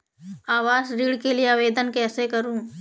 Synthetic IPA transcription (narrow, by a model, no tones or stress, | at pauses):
aːʋaːzɾiːɽkelijeaːʋeːd̪ənkɛːsekɐɾũː